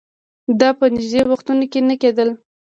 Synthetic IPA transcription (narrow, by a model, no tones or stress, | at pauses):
d̪ɑpənɪʒd̪ewaxt̪unokenəked̪əl